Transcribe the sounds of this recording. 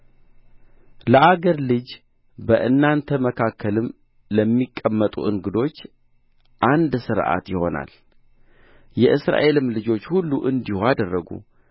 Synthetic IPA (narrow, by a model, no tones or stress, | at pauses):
ləʔaɡəɾlɨd͡ʒ | bəʔɨnːant̪ʰəməkʰakːəlɨm | ləmːikʼːəmːət̪ʼṵʔɨŋɡɨd̪o̞t͡ʃː | ʔand̪sɨɾʔa̰t̪jɪho̞̰na̰l | jɛʔɨsɾa̰ʔe̞lɨmlɨd͡ʒo̞t͡ʃːhulːuʔɨnd̪ihoad̪ərːəɡṵ